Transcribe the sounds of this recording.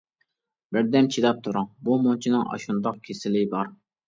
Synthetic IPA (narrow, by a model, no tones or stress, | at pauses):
bɪɾd̪ɛmt͡ʃʰid̪ɑp̚t̪ʰuɾɑŋbumont͡ʃʰinɨŋʔɑ̰ʃund̪ɑq̚kʲʰesɪlɪbɑɾ